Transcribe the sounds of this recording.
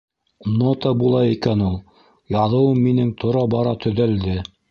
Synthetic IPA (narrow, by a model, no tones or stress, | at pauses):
not̪ɑbulˠɑikænulˠ | jɑðɤ̆wɤmːinɘŋt̪ʰŏɾɑbɑɾɑt̪ʰɵ̆ðæld̪ɘ